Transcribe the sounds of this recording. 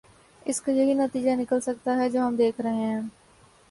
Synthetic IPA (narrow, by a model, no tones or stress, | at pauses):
ɪskajɐɦinət̪iːd͡ʒanɪkəlsək̚t̪aɦɛd͡ʒoːɦəmd̪eːkʰɾəɦeɦɛ̃ː